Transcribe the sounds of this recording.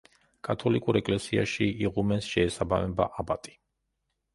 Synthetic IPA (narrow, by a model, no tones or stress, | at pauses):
kʼat̪ʰɔlikʼuɾɛkʼlɛsia̰ʃiiʁumɛnsʃɛːsabamɛbaʔabat̪ʼi̥